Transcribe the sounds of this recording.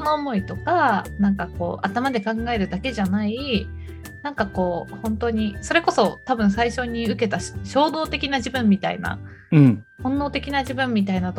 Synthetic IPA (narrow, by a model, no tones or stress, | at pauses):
noːmo̞it̪o̞kanãŋkako̞ːʔat̪amad̪e̞kãŋɡae̞ɾɯ̟d̪ake̞ʑanai | nãŋkako̞ːhõ̞nt̪oɲ̟iso̞ɾe̞ko̞so̞t̪abɯ̟̃ɰ̃saiɕo̞ɲ̟iɯ̟ke̞t̪aɕo̞ːd̪o̞ːt̪e̞kʲinaʑibɯ̟̃mːʲit̪aḭna̰ɯ̃ | hõ̞nːo̞ːt̪e̞kʲinaʑibɯ̟̃mːʲit̪ainat̪o